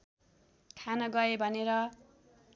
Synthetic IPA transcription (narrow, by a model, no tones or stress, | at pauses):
kʰanʌɡʌebʱʌneɾʌ